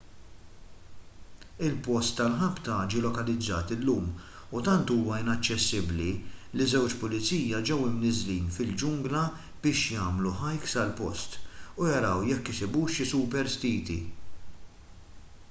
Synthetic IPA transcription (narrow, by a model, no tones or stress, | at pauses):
ɪlpɔst̪ːɐlħɐpt̪ɐd͡ʒiːlɔkɐlɪd͡zːɐ̰ːt̪ɪlːuːm | ut̪ɐnt̪uːwɐɪnɐt͡ʃːɛsːɪblilizɛwt͡ʃpʊlɪt͡siːjɐd͡ʒɛwɪmnɪzliːnfɪld͡ʒʊŋɡlɐ | b̥ɪːʃjɐːmluħɐjksɐlpɔst̪ujɐɾɐwjɛkːɪsɪbuːʃɪsupɛɾst̪iːt̪ḭ